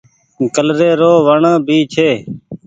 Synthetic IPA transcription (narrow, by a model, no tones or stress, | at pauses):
kəlɾeːɾoːʋəɳəːbʱiːt͡ʃʰeː